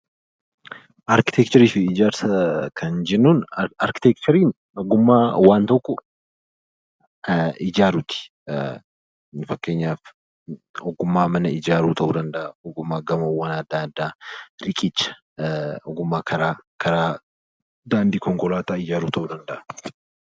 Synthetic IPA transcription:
ʔɐɾkɪ̥t̪ɛk̚t͡ʃɔɾiːfɪɪd͡ʒaːɾsɐkʰɐnd͡ʒɛnːuːnɐɾkɪ̥t̪ɛk̚t͡ʃɔɾiːn | ɔɡʊmːaːwaːnt̪ɔkːɔ | ɪd͡ʒaːɾʊt̪ɪ̥ | fɐkːeːɲːaːf | ɔɡʊmːaːmɐnɐɪd͡ʒaːɾuːt̪ɐʔuːd̪ɐnd̪ɐʔɐɔɡʊmːaːɡɐmɐwːɐnɐd̪ːaːd̪ːaːɾɪkʼɪt͡ʃːɐ̥ | ɔɡʊmːaːkʰɐɾaːkʰɐɾaː | d̪aːnd̪iːkɔŋkɔlaːt̪aːɪd͡ʒaːɾuːt̪ɐʔuːd̪ɐnd̪ɐʔɐ̥

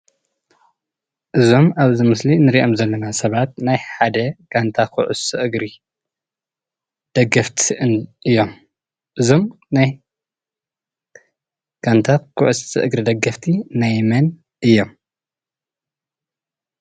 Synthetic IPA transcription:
ʔɨzo̞maβzɨmɨslinɨɾiʔo̞mzɐlːɐnasɐβat̪̚najħad̪ɐɡ̥ant̪ʰakʰuʕṵsɨʔɨɡɾi | d̪̥ɐɡɐft̪ʰiʔɨnʔɨjːo̞m | ʔɨzo̞m | naj | ɡ̥ant̪ʰakʰuʕusɨʔɨɡɾid̪ɐɡɐft̪ʰinajmɐn | ʔɨjːo̞m

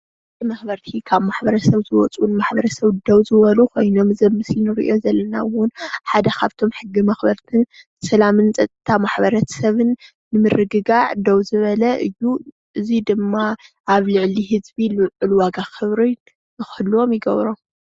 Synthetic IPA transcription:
ɨimɐxbɐɾt̪ʰikʰaβmaħbɐɾɐsɐβzɨwɔt͡sʼunmaħbɐɾɐsɐβd̪ɐwzɨβɐlukʰo̞jno̞mzɐmːɨsinɨɾḭʔo̞zɐlːɐnawʊnħad̪ɐkaβt̪ʰo̞mħɨɡːimɐxbɐɾt̪ʰɨn | sɐlamɨnt͡sʼɐt̪ʼːɨt̪ʰamaħbɐɾɐt̪ʰɐ̥sɐβɨnː | ɨmɨɾɨɡɨɡaʕd̪ɐwzɨβɐlɐʔɨjːu | ʔɨzid̪ɨmːa | ʔaβlɨʕliɦɨzbilɨlwaɡaxɨβɾi | ɨxɨlːuo̞mjɪɡɐ̰βɾo̞m

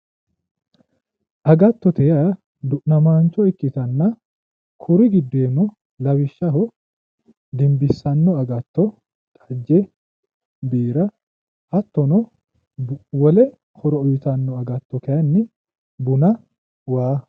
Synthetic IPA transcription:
ʔɐɡɐt̪ːɔt̪ɛjɐ | d̪ʊʔnɐmaːnt͡ʃːɔɪkːɪt̪ɐnːɐ | kʰʊɾɪɡɪd̪ːeːnɔ | lɐwɪʃːɐɦɔ | d̪ɪmbɪsːɐnːɔɐɡɐt̪ːɔ | t̪ʼɐ̥d͡ʒːɛ | biːɾɐ | ʔɐt̪ːɔnɔ | wɔlɛ | hɔɾɔɔjɪt̪ɐnːɔɐɡɐt̪ːɔkɛjɐnːɪ | bʊnɐ | waː

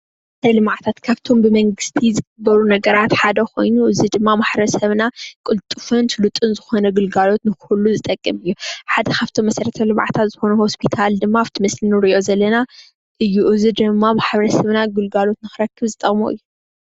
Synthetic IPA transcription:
tʰɐlɨmʕt̪ʰat̪kʰaβt̪ʰo̞mbɨmɐŋɡɨst̪ʰizɨɡɨbːɐɾunɐɡɐɾat̪ħad̪ɐkʰo̞jnuʔɨzid̪ɨmːamaħɾɐsɐβnakʼɨlt̪ʼɨfɨnt̪ʰlut̪ʼɨnzɨxo̞nɐɡɨlɡalo̞t̪nɨxuluzɨt̪ʼɐkʼːɨmɨjːuħad̪ɐkʰaβt̪ʰomːɐsɐɾɐt̪ʰɐlɨmʕat̪ʰat̪zɨxo̞nuho̞spʰit̪ʰald̪ɨmːaaβt̪ʰimɐslinɨɾɨʔo̞zɐlːɐna | ʔɨjːuʔɨzid̪ɨmːamaħβɐɾɐsɐβnaɡɨlɡalo̞t̪nɨxɨɾɐkʰːɨβzɨt̪ʼɐkʼmo̰ʔɨjːu

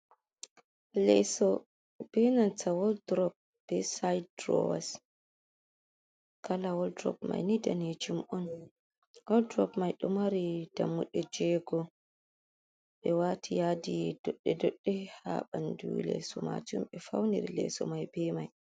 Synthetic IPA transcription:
lɛsɔ | b̥ɛnantʰawɔldɾɔp̚ | b̥ɛsajdɾɔ̰was | kalawɔldɾɔ̰p̚ma̰jnidaned͡ʒimʔɔn | wɔldɾɔpmajɗɔmaɾid̥a̰mːuɗɛd͡ʒɛɡɔ | ɓɛwatʰijadidɔɗːɛdɔɗːɛha̰ɓandulɛ̰sɔma̰t͡ʃumɓɛfawniɾilɛ̰sɔmajbɛmaj

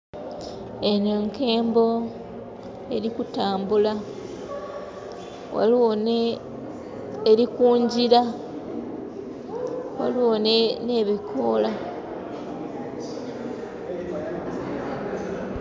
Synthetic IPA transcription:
eneŋke̞ːmbo̞ | e̞ɾikutaːmbula | wa̰lon | eɾikuːɲɟiɾa | wa̰liwonene̞ːβikʰola

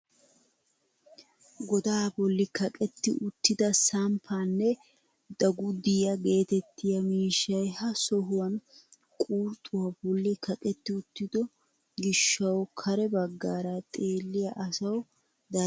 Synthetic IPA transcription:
ɡɔd̪aːbɔlːɪkɐkʼɛt̪ːɪ̰ʔʊt̪ːɪd̪ɐsɐmpʰaːnːɛ | d̪̥ɐɡʊd̪ɪjɐɡe̞ːt̪ɛt̪ʰːɪjɐmiːʃːɐjhɐsɔɦʊwɐn | kʼuːɾt̪ʼːʊwɐbɔlːɪkʰɐkʼɛt̪ːɪʊt̪ːɪd̪ɔ | ɡɪʃːɐwkʰɐɾɛbɐɡːaːɾat̪ʼe̞ːlːɪjɐʔɐsɐw | d̪ɐ

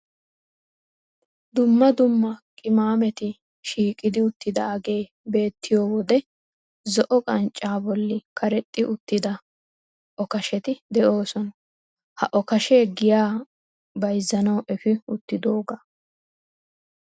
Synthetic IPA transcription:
d̪ʊmːɐd̪ʊmːɐkʼɪmaːmɛt̪ɪ | ʃiːkʼɪd̪ɪʊt̪ːɪd̪ɐɐɡe̞ː | be̞ːt̪ʰːɪjoːwɔd̪ɛ | zɔʔɔkʼɐnt͡ʃʼːaːbɔlːɪkʰɐɾɛt̪ʼːɪʔʊt̪ːɪd̪ɐ | ʔɔkɐʃɛt̪ɪd̪ɛʔo̞ːsɔnɐ | hɐʔɔkɐʃeːɡɪjaː | bɐjzːɐnɐwʔɛfɪʊt̪ːɪd̪o̞ːɡa

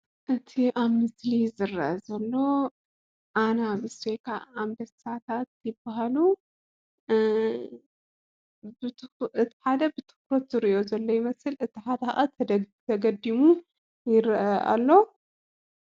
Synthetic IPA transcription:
ʔɨt̪ʰiʔaβmɨslizɨɾːɐʔɐzɐlːo̞ | ʔanaβɨsekʰa̰amd̪ɐsat̪ʰat̪̚jɪbːaɦalu | ʔɨt̪ʰi̥ħad̪ɐbɨt̪ʰɨ̥kɾot̪zɨɾiʔo̞zɐlːo̞jɪmɐsɨlɨt̪ʰiħad̪ɐxa̰ʔat̪ʰt̪ʰɐɡɐd̪ːimu | jɪɾʔɐʔa̰lːo̞

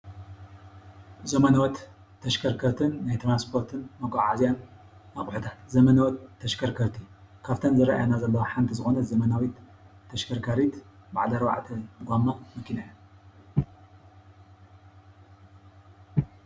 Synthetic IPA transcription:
zɐmɐnɐwɔt̪ʰː | ɐʃkʰɐɾkʰɐɾt̪ʰɨnːajt̪ʰɾanspʰo̞ɾt̪ʰɨnmɐɡaʕazjan | aɣʼħut̪ʰat̪zɐmɐnɐwɔt̪ʰːɐʃkʰɐɾkʰɐɾt̪ʰi | kʰaft̪ʰɐnzɨɾɐ̰ʔa̰janazɐlːɐwoħant̪ʰizɨxo̞nɐzɐmɐnawit̪ʰː | ɐʃkʰɐɾkʰaɾit̪ba̰ʕlɐɾɐwa̰ʕt̪ʰɐɡʷamːamɐkʰːinajɐ

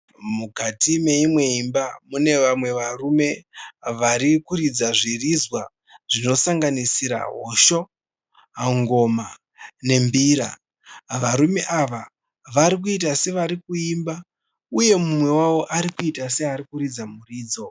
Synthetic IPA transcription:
mukatime̞imwe̞imbamune̞ʋamwe̞ʋarume̞ʋaɾikuɾid͡zaʐirizwa | ʐ̥ino̞saŋɡanisiɾa̰ɦo̞ʃo̞ | aŋɡo̞ma | ne̞mbiːɾa̰ | ʋaɾume̞ʔaʋa | ʋaɾik̬uit̬ase̞ʋaɾikuimba | uje̞mumwe̞wawo̞ʔaɾikuitase̞aɾikuɾid͡zamuriːd͡zo̞

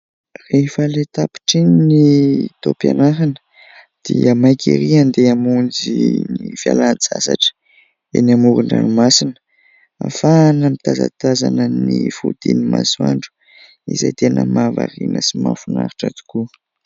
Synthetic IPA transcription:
refəlet̪api̥ʈ͡ʂinnit̪opjanaɦanə̥ | d̪̥iəmajkʲʰḭɾiand̪eamund͡ziniifja̰lant͡sasaʈ͡ʂə̥ | enamuɾuɳɖ͡ʐa̰nimasinə̥ | afanəmit̪aza̰t̪azanənifud̪̥inimaswaɳɖ͡ʐu̥ | izajt̪enəmavarinəsimanfuna̰ɾiʈ͡ʂad̪u̥ku

